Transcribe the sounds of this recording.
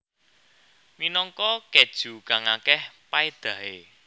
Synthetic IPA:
minɔŋkɔked̥ʒ̥ṳkaŋakɛhpaed̪̥ä̤e

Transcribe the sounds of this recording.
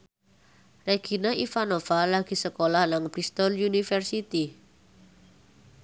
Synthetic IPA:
reɡ̥inaʔifanofalaɡ̥i̤səkolahnaŋb̥ɾist̪ɔljunifɛrsit̪i

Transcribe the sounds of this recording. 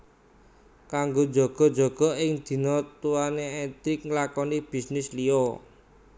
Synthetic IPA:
kaŋɡo̥d͡ʒɔ̤ɡ̥ɔ̤d̥d͡ʒɔ̤ɡ̥ɔ̤ɪŋd̪̥i̤nɔt̪ːuwaneɛt̪ɾɪk̚ŋlakɔnib̥i̤snɪslio

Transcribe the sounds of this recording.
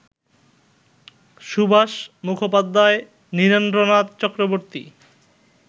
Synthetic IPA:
ʃubʱaʃmukʰopad̪ːae | niɾond̪ɾonat̪t͡ɕɔkɾoboɾt̪ḭ

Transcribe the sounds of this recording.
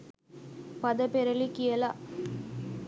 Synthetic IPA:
pɐðɐpɛɾɐɭikɪjɐlaː

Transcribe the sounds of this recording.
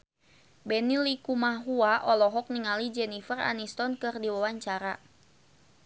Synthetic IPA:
bɛnilikumaɦuaʔɔlɔɦɔk̚niŋalid͡ʒɛnifəra̰nist̪ɔnkɨrdiwawaɲt͡ʃaɾa

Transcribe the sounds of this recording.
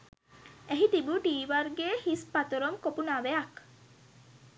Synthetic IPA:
eɦit̪ibuʈiːʋaɾɡehispat̪oɾomkopunaːʋeak

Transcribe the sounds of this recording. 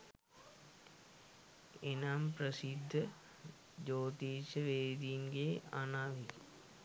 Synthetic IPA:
enamprəsid̪ʱːə | d͡ʒoːt̪iːʃəʋeːd̪iŋɡeanaʋi

